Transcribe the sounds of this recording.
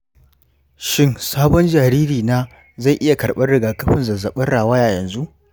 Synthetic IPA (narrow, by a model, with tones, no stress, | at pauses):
ʃɪ˦nsaː˦bɔ˦nd͡ʒaː˨ɾiː˦ɾiː˨naː˦ | za˦˨jʔɪ˦ja˨kɐ˨ɽɓɐ˦ɽɪ˨ɡaː˨kɐ˦ɸɪ˦nzɐ˨zɐ˨ɓɐ˦rɽaː˨waː˦ja˨jɐ˨nzu˦ʔ